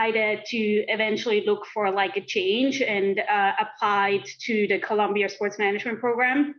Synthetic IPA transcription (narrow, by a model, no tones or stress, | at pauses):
ɪɾɪtʰɨɪvɛ̃nt͡ʃl̩ˠilʊkfə˞laɪkɨt͡ʃʰẽɪ̃nd͡ʒɨ̃nəpʰl̥aɪtʰɨðɨkʰəlʌ̃mbiɨspɔɹtsmænɨd͡ʒmɨ̃npʰɹ̥oʊɡɹæ̃m